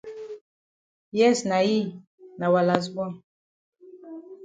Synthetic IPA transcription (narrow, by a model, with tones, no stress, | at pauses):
jɛ˦˨sna˨ji˦ | na˨wa˨la˨s̬bɔ˦